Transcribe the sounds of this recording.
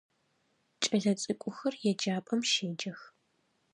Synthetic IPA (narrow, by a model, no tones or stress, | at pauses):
t͡ʃʼɐɮɐt͡sʼɨkʷʼʊxɐrjɛd͡ʒaːpʼɐmʃeːd͡ʒɐx